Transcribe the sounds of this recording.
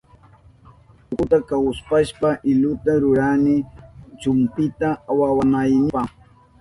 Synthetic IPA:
ʊʊt̪akawspaʃpaʔɪlʊt̪aɾʊɾanɪt͡ʃʊmpɪt̪aːwawanajmɪpɑχ

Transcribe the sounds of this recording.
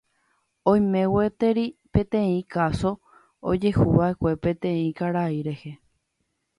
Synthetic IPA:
õj̃mẽ̞wet̪e̞ɾipẽ̞t̪ẽĩkaso̞ | o̰d͡ʒe̞huʋae̞kʷe̞pẽ̞t̪ẽ̞ĩkaɾaiɾe̞he̞

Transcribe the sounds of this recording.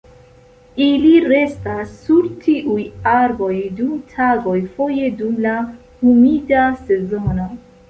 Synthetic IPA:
iliɾe̞stasːuɾtʰiʔujaɾbo̞jdumtʰaɡo̞jfo̞je̞dumla | humidase̞zo̞no

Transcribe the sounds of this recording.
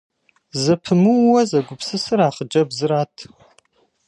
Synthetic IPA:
zɐpʰɨmɨwwɐzɐɡʷʊpsɨsɨɾaːχəd͡ʒɐbzɨɾaːtʰ

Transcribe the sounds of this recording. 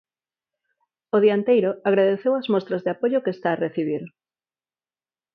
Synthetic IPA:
oðiant̪ejɾoaɣ̞ɾaðeθewazmost̪ɾazðeapoʎokest̪aːreθiβ̞iɾ

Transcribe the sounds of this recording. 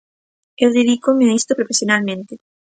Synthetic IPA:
ewðeðikomeaist̪opɾofesjonalmẽnt̪e

